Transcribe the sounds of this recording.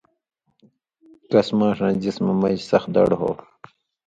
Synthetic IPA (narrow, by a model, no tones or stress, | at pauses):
kɐsmãːʂãːd͡ʑismɐmɐd͡ʑsɐxd̪ɐ̰ɽɦo̰ː